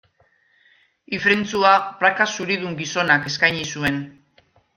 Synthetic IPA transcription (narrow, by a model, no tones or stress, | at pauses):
ifɾent͡suapɾakasuɾiðuŋɡiso̞nake̞skajɲisue̞n